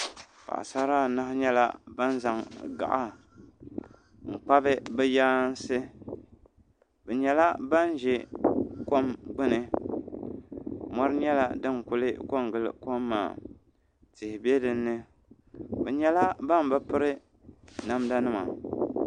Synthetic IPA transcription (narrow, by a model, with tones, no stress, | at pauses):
pa̰˨ʔa̰˨sa˦ɾa˦˨na˦hɲɛ˦la̰˦ba˦n˦za˨ŋɡa̰˨ʔa˦ | ŋ̩˨k͡pa˦bɨ˦bɛ˦jaː˦n˦sɨ˦ | bɛ˨ɲɛ˨la˦ba˦n˦ʒɛ˦ko˦mɡ͡bɨ˦nɨ˨ | mɔ˦ɾɨ˦ɲɛ˦la̰˦dɨ˦ŋ˨kʊ˦lɨ˦ko˦mɡɨ˨l̰ko˦mːa̰ː˨ | tɪ˨hɪ˨be˦dɨ˨nːɨ˦ | bɛ˨ɲɛ˨la˦ba˦m˨bɛ˦pʊ˦ɾɨ˦ | na˦mda˦nɨ˦ma˨